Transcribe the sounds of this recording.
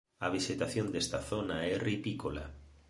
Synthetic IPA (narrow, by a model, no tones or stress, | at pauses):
aβ̞iʃet̪aθjond̪est̪aθonaɛripikola̰